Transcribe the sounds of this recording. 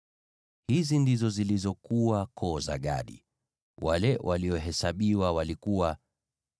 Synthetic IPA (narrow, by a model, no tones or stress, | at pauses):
hizindizɔzilizɔkuwakʰɔːza̰ɠa̰ɗḭ | walɛwʔaliɔɦɛsaɓiwawalikuwa